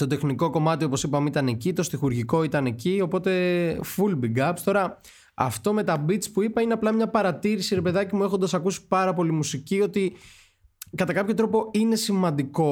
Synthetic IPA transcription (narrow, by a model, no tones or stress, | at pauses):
t̪o̞t̪e̞xniko̞ko̞mɐt̪io̞po̞sipɐmit̪ɐnecit̪o̞st̪ixuɾʝiko̞it̪ɐne̞cio̞po̞t̪e̞fulbiɡɐpst̪o̞ɾɐ | ɐ̰ft̪o̞me̞t̪ɐbit̪t͡spuipɐineɐplɐmɲɐpɐɾɐt̪iɾisiɾe̞pe̞ðɐcimue̞xond̪ɐsɐkusi̥pɐɾɐpo̞limusicio̞t̪i | kɐt̪ɐkɐpço̞t̪ɾo̞po̞ine̞simɐnd̪iko̞